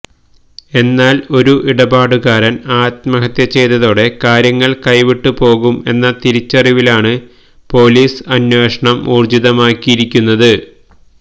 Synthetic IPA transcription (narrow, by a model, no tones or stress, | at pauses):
e̞nːaːlo̞ɾuʔiɽɐbaːɽuɣaːɾɐnaːt̪mɐɦɐt̪jɐt͡ɕe̞jt̪ːɐðo̞ːɽe̞kaːɾjɐŋːɐɭkɐjʋiʈːupo̞ːɣume̞nːɐt̪iɾit͡ɕːɐriʋilaːɳɨ | po̞ːliːsɐnjeːʂɐɳɐmuːrd͡ʑiðɐmaːkːijiɾikʲːunːɐðɨ